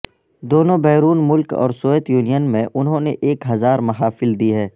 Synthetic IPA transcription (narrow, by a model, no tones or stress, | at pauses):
d̪oːnõbɛːɾuːnmʊlkɔ̰ːɾsoːeːt̪juːnijənmẽʔʊnɦõneʔeːkɦɐzaːɾmɐɦaːfɪld̪iɦɛː